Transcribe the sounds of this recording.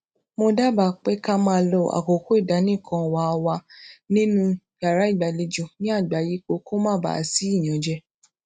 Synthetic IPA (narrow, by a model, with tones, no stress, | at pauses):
mo˧da˦ba˨k͡pe˦ka˦mãː˦˧˦lo˧a̰˨ko˨ko˦i˦˨da˨˦nĩ˦˨kʰã˧wa˨˦˧wa˧nĩ˦nũ˦ɡa˨ɾa˦i˦˨ɡ͡ba˨li˧d͡ʒũ˧˨nĩ˦a˦˨ɡ͡ba˨ji˦k͡po˧ko˦mã˦ba̰˨si˦i˦˨j̃ã˨d͡ʒɛ˧